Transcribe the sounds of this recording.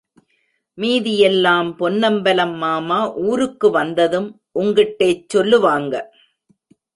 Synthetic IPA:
miːðɪjɛlːaːmpɔnːɐmbɐlɐmːaːmaːʔuːɾɯkːɯʋɐnd̪ɐðɯm | ʔʊŋɡɪʈːeːt͡ʃːɔlːɯʋaːŋɡɐ

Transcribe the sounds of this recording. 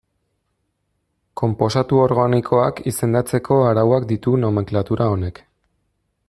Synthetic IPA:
ko̞mpo̞sat̪uo̞ɾɣanikʰo̞akise̞nd̪at͡se̞kʰo̞aɾawak̚d̪it̪uno̞meŋklat̪uɾao̞ne̞k

